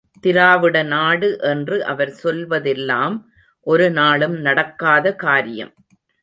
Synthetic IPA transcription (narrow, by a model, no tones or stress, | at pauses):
t̪ɪɾaːʋɪɽɐnaːɽɯʔɛndrɯʔɐʋɐɾsɔlʋɐðɛlːaːm | ʔɔɾɯnaːɭɯmnɐɽɐkːaːðɐkaːɾɪjɐ̰m